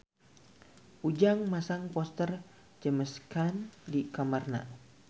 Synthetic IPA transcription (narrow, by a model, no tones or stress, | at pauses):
ʔud͡ʒaŋmasaŋpɔst̪ər | d͡ʒəməskandikamarna̰